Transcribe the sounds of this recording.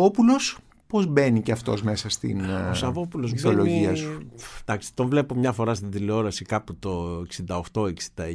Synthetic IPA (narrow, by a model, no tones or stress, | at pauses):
opulo̞s | po̞zbe̞niceɐft̪o̞̰zme̞sɐst̪ḭnosɐvo̞pulo̞zboloʝiɐsu̥d̪̥ɐksi̥t̪o̞nvle̞po̞mɲɐfo̞ɾɐst̪iðileo̞ɾɐsikɐput̪o̞eksind̪ɐoxt̪o̞eksind̪ɐ